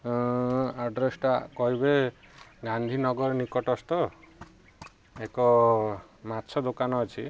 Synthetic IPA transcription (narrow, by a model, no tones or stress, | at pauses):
aɖɾesʈakɔɦibeɡãnd̪ʱinɔɡɔɾnikɔʈɔst̪ɔ | ekɔ | matːt͡ʃʰɔd̪okanɔːt͡ʃʰi